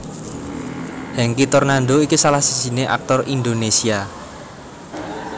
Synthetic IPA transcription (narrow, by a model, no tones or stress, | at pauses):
hɛŋkit̪ɔrnaɳɖoikisalahsi̥d͡ʒi̤neʔa̰k̚t̪ɔrind̪onesia